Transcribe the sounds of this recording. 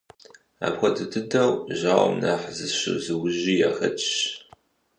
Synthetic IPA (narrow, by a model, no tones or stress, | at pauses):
a̰ːpxʷɐdʰɨdʰɨdɐwʒaːw̰mnaħzɨɕɪ̰zɨwʊʑiːjaːxɐt͡ʃʼɕ